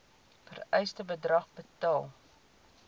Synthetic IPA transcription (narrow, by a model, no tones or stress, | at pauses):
fə̰rœjstəbədrɐχbətɑːlˠ